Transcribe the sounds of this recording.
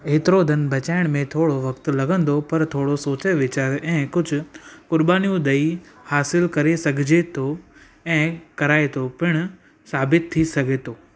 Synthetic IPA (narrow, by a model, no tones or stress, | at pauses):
eːt̪ɪɾod̪ʱɐnbʱɐt͡ɕaːɪɽ̃mẽt̪ʰoːɽoʋɐkt̪lɐɡʱə̃nd̪opɐɾt̪ʰoːɽosoːt͡ɕeʋɪt͡ɕaːɾɛ̃ːkʊd͡ʑʱʊ̆kʊɾbaːnijũd̪ɐihaːsɪlkɐɾesɐɡʱɪd͡ʑet̪ʰo | ɛ̃ːkɐɾaːet̪ʰopɪɽ̃ʊ | saːbɪt̪ʰːisɐɡʱet̪ʰoː